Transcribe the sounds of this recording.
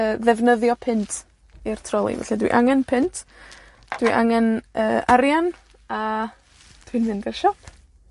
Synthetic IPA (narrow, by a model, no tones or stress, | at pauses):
əːðɛvnəðjɔpʰɪntʰ | irtʰrɔlˠḭvɛ̰ɬɛdwḭʔaŋɛnpʰɪntʰ | d̥wiʔa̰ŋɛnəːʔaɾjan | a | d̥wɪnmɪndɪrʃɔpʰ